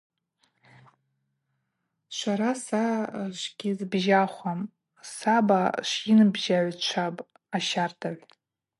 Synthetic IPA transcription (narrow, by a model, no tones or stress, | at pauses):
ʃʷaɾasaʃʷɡʲizbʒaχʷam | sabaʃinɨbʒaʕʷt͡ʃʷʰapʼ | aʃartʰaʕʷ